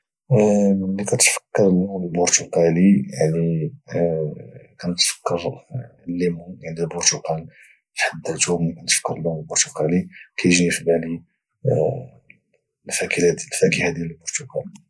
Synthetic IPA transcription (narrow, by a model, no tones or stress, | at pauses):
likæt̪fə̥kːəɾˤəlunəlbʊɾt̪uqɑlijaʕni | kænət̪fə̥kːəɾlːimujaʕnilbʊɾt̪uqɑl | fħad̪ːət̪umkænt̪fə̥kːəɾˤlːuməlbʊɾt̪uqɑlikʰæjəʒnifibæli | mfækilæd̪fækihæd̪ijæləlbʊɾt̪uqɑl